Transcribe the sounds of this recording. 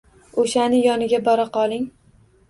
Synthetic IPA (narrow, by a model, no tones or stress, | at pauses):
oʃanɪjɒnɪɡʲabɒɾaqɒlˠɪŋ